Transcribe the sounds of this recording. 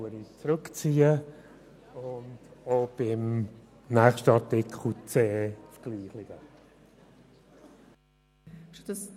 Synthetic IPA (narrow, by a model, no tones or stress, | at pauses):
əɾit͡sɾøkt͡siːə | ʊndob̥ɪm | nɛχʃtəɑɾtɪkχl̩t͡seːfɡ̥liːχlɪɡ̥ə | ʃtudəs